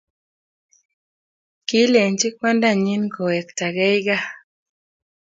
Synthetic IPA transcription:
ki˦le˨nt͡ʃɪ˦kwa˦nda˦˨ɲi˦nko˨ɛ˨kta˨ɡɛ˦jɡa˦

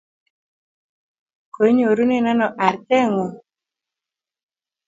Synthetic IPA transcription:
ko˨˦ɲo˨ɾu˦ne˦na˦nɔ˨ʔa˨ɾtɛ˦ŋo˨

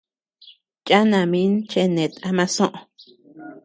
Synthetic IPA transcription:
t͡ʃʼa˦nã˨mĩ˦nt͡ʃe˧nẽ˨t̪a˦mã˦sõ˦ʔõ˨

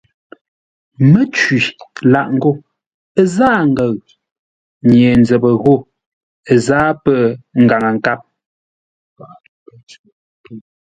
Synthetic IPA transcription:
mə˦t͡ʃɥi˨la˦˨ʔŋ̩˦ɡo˦˨˦ | zaː˦˨ŋ̩˦ɡə˨ɣ | ɲje˨n˦d͡zɛ˨bə˨ɣo˦˨ | zaː˦pə˦˨ŋ̩˨ɡa˨ŋə˨ŋ̩˨ka˦p̚

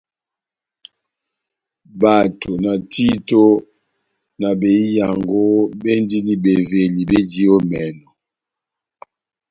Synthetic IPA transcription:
ba˨tʰo˨na˨tʰi˦to˦ | na˨be˨i˦ja˨ŋɡo˦be˦ndi˦ni˦be˨ve˨li˨be˦di˦o˦mɛ˨nɔ˨

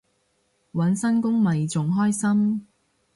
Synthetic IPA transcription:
wɐ˨˥nsɐ˥nkʊ˥ŋmɐ˨jt͡sʊ˨ŋɦɔː˥jsɐ˥m

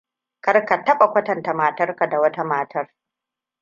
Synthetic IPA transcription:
kɐ˦rka˨tɐ˦ɓa˨kʷɐ˦tɐ˨nta˨maː˨tɐ˦rka˨da˨wɐ˦ta˦maː˨tʰɐ˦r

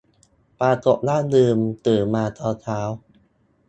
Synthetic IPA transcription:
paː˧k̪o˨˩k̚laː˥˩nlɯː˧mt̪ɯː˨˩nmaː˧t̪ɔː˧t̪ʰaː˦˥w

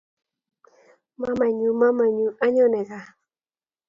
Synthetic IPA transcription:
mã˦mã˨ɲũ˨mã˦mã˨ɲũ˨ʔa˦ɲo˦ne˨ɣa˨

